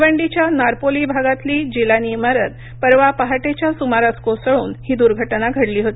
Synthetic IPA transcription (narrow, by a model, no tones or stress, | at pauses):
ʋəɳɖit͡ɕjanaɾpolibʱaɡat̪liːd͡ʑilaniməɾəd̪̚ | pəɾʋapaɦaʈet͡ɕjasumaɾaskosəɭuːnhiːd̪uɾɡʱəʈnaɡʱəɽliːɦot̪i̥